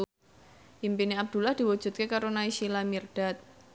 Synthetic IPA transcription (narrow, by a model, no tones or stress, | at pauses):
ʔimpiniab̚d̪̥ṳlahd̪̥iwu̥d͡ʒ̥ṳt̪̚kekaɾonaiʃilamird̥at̪̚